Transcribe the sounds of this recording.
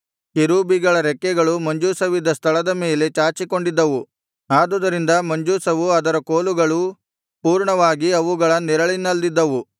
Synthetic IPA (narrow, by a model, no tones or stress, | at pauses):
kiɾuːbiɡɐɭɐɾɛkːɛɡɐɭumɐɲd͡ʒuːsɐʋid̪ːɐst̪ʰɐɭɐd̪ɐmeːle̞t͡ʃaːt͡ʃiko̞ɳɖid̪ːɐʋu | aːd̪ud̪ɐɾind̪ɐmɐɲd͡ʒuːsɐʋuɐd̪ɐɾɐkoːluɡɐɭu | puːɾɳɐʋaːɡiɐʋuɡɐɭɐniɾɐɭinːɐld̪id̪ːɐʋu